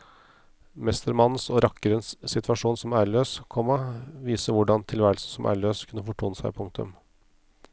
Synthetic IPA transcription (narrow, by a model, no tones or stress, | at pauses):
mɛst̪əɾmɑn̩sɔːɾʔɑkːəɾənsːɪt̪ʰʋɑʂuːnsɔmæːɾɭøːskʰɔmːɑʋiːsəʋʊɖɑnt̪ʰɪlʋæːɾəlsn̩sɔmʔæ̰ːɾɭøːskʰʉnːəfɔʈʰuːnəsæɪpʰʊŋk̚t̪ʉ̰m